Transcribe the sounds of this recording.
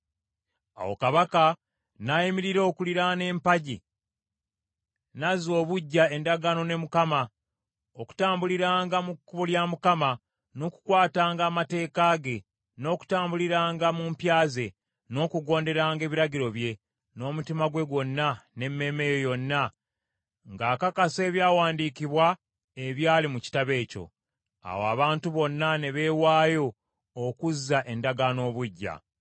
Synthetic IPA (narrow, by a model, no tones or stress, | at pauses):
a̰wo̞̰kaβaka | najimiɾiɾookuliɾane̞ːmpaɟi | nazo̞ːβuɟːae̞ndaɡano̞ne̞mukama | oku̥taːmbuliɾaːŋɡamukːuβoljamukama | no̞ːku̥kwaːtaːŋɡaːmate̞ːkaːɡe̞ | no̞ːku̥taːmbuliɾaːŋɡamumpjaːze̞ | no̞ːkuɡo̞ːnde̞ɾaːŋɡe̞ːβiɾaɟiɾo̞βje̞ | no̞ːmutimaɡwe̞ɡwo̞nːane̞mːe̞me̞jo̞jo̞nːa | ŋɡaːkakase̞ːβjaːwaːndiːkiβwa | eβjaːlimuci̥taβe̞ːco̞̰ | a̰woa̰βaːntuβo̞nːane̞βe̞waːjo̞ː | kuzːaʔe̞ndaɡano̞ːβuɟːa̰